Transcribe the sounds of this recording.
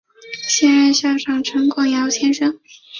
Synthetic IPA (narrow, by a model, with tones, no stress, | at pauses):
ɕjɛ˥˧nɻa˥˧nɕjɑ˥˩ʊʈ͡ʂʰɑ˨˩ŋʈ͡ʂʰɤ˧˥ŋkʊ˥˩ŋjɑ˧˥ʊt͡ɕʰjɛ˥˧nʂɤ˥ŋ